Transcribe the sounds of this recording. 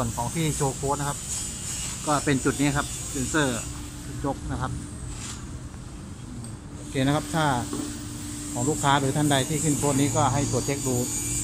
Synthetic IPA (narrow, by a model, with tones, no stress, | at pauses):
ənkʰɔː˩˦ŋt̪ʰiː˥˩t͡ɕoː˧kʰoː˧˥na˧˥kʰa˦˥p̚ | kɔː˥˩pe˧nt͡ɕu˨˩t̪̚niː˦˥kʰa˦˥p̚se˧nsɤː˧˩˧ | t͡ɕo˦˥k̚na˧˥kʰa˦˥p̚ | ɯː˧˩ | ʔoː˧˩kʰeː˧na˧˥kʰa˦˥p̚t̪ʰaː˥˩ | kʰɔː˩˦ŋluː˥˩kʰːaː˦˥ɾɯː˨˦t̪ʰa˥˩nda˧jt̪ʰiː˥˩kʰɯ˧˥˩nkʰoː˧˥niː˦˥kɔː˥˩ɦa˥˩jt̪u˨˩t̪̚t͡ɕʰe˦˥k̚duː˧˥t̪̚